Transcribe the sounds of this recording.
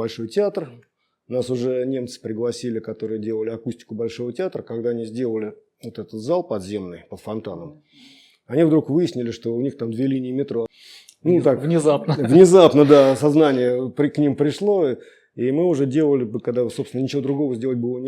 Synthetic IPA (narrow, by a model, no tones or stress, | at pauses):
bɐlʲʂo̞jtʲɪat̪r | nasʊʐɛnʲe̞mt̪sɨ̥pɾʲɪɡlˠɐsʲilʲɪkɐt̪o̞ɾɨjədʲe̞lˠəlʲɪɐkusʲtʲɪ̥kʊbɐlʲʂo̞vətʲɪat̪ɾəkɐɡd̪aɐnʲizʲdʲelˠəlʲɪ | vot̪ɛt̪ət̪zalˠpɐd̪zʲe̞mnɨjpət̪fɐnt̪anəm | ɐnʲivd̪ɾukvɨjɪsʲnʲɪlʲɪʂt̪o̞ʊnʲixt̪amd̪vʲelʲinʲɪːmʲɪt̪ɾo | nut̪akvnʲɪzapnəvnʲɪzapnəd̪asɐznanʲɪjəpɾʲɪknʲimpɾʲɪʂlˠo̞ | imɨʊʐɛdʲe̞lˠəlʲɪbɨkɐɡd̪asopst̪ʲnənʲɪt͡ɕɪvod̪ɾʊɡo̞vəzʲdʲe̞lˠət̚ʲbɨlˠənʲ